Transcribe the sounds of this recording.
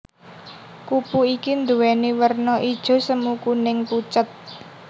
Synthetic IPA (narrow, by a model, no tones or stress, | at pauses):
kupuikind̪uwɛniwərnɔʔid̥ʒ̥o̤səmukunɪŋput͡ʃət̪̚